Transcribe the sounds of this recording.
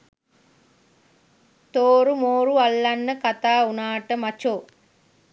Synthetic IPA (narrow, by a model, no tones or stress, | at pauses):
t̪oːɾumoːɾuɐlːɐnːɐkɐt̪aːunaːʈɐmɐt͡ʃoː